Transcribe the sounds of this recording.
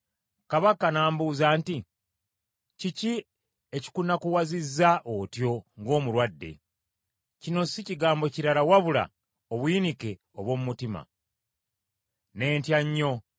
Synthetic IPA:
kaβakanaːmbuːzaːnti | cici | e̞ci̥kunakuwazizːaʔotjo̞ŋɡo̞ːmuɾwadːe̞̰ | cino̞siciɡaːmbo̞ciɾalawaβula̰ | oβwiːnike̞ | oβwo̞mumutima̰ | ne̞ːntjaɲːo̞

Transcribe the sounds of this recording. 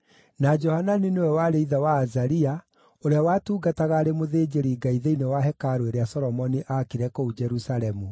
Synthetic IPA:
nad͡ʒɔhananinewɛwaɾeiðawaːzaɾia | oɾeawatuːɡataɣaɾemoðed͡ʒeɾiɡaiðeinewaɦɛkaɾoeɾeasɔɾɔmɔniʔakiɾɛkoud͡ʒɛɾusaɾɛmu

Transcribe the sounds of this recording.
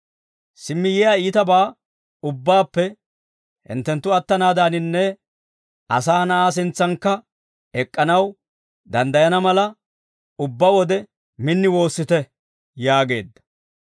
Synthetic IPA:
sɪmːɪjɪjaːiːt̪ɐbaː | ʊbːaːpːɛ | hɪ̰nt̪ːɛnt̪ːʊɐt̪ːɐnaːd̪aːnɪnːɛ | ɐ̰saːnɐʔaːs̬ɪnt͡sːɐŋkːɐ | ɛkʼːɐnɐw | d̪ɐnd̪ɐjɐnɐmɐlɐ | ʊbːɐwɔd̪ɛ | mɪnːɪwo̞ːsːɪt̪ɛ | jaːɡe̞ːd̪ːɐ̥

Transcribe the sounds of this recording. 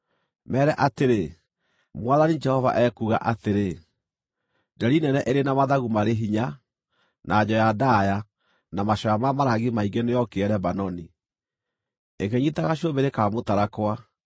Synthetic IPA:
mɛːɾɛʔateɾe | mwaðanid͡ʒɛhɔva̰ʔɛkuɣa̰ʔateɾe | dɛɾinɛnɛʔeɾenamaðaɣumaɾeɦiɲa | nʔaːd͡ʑɔjadaja | namaɕɔjamamaɾaɣimaiŋɡenejɔkeɛɾɛbanɔni | ekeɲitaɣaɕiombeɾekaːmotaɾakwa

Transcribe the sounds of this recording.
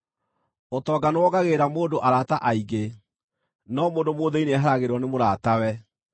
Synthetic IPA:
otɔːɡanowɔɣaɣeːɾamoːdoʔaɾaːtaʔaiɡe | nɔmoːndomoðɛineɦaɾaɣeɾɔnemoɾaːtawɛ

